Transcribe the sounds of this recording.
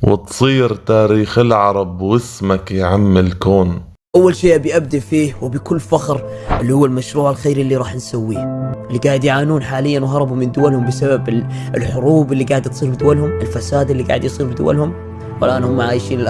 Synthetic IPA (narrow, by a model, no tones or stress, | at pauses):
wɪ̰t̪sˤiːɾt̪aːɾiːxɪlʕɑɾˤɑbwɪsmakjʕamːɪlkoːn | ʔawːalʃeːʔabiʔab̚d̪aʔfiːwɪbɪkʊlːfaxɾʔɪlːihʊwːalmaʃɾuːʕalxeːɾɪlːiɾˤɑːħnsawːiːhʔɪlːiɡaːʕɪd̪jʕaːnuːnħaːlɪjːanwɦɑɾˤɑbumɪnd̪ʊwalhʊmbɪsababɪɪlħʊɾuːbɪlːiɡaːʕɪd̪t̪sˤiːɾbɪd̪ʊwːalhʊmɪlfasaːd̪ɪlːiɡa̰ʕɪd̪jsˤiːɾbɪd̪ʊ̰wa̰lhʊm | wa̰lʔaːnhʊmːaʕaːjʃiːnɪlʔ